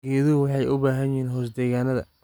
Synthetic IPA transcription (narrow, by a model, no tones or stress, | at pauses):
ɡɛːðʊwɑħɑjʊbaːɦɐnjɪɦiːnɦɔːs̬d̪ɛːɣaːnɐðɐ̰